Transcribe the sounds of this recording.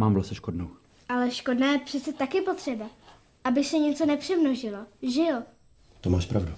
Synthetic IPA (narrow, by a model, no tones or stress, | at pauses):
maːmvlasɛʃkodnow | ʔalɛʃko̞dnaːjɛpr̥ɛt͡sɛt̪akɪpo̞t̪r̝̥ɛba | ʔabɪsɛɲɛt͡so̞nɛpr̥ɛmnoʒɪlo̞ʒɪl | t̪omaːʃpɾavdu